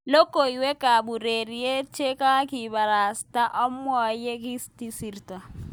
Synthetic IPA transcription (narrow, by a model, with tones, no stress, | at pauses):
lɔ˦kʼo˨i˨we˦kʼa˨bu˨re˨ri˨je˦t͡ʃʰʼe˦kʼa˦kʼɪ˨ba˨ɾa˨stʼa˦ʔɔ˦m˦wɔ˦je˦ki˦sti˦si˨rtʼa˨